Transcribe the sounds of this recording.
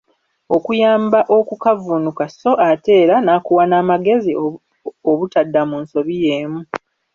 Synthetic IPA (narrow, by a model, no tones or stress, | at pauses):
o̞kujaːmbaʔo̞kukavunukaso̞ʔate̞ːɾanaːkuwanaːmaɡe̞zi | oβutadːamuːnso̞βije̞ːmu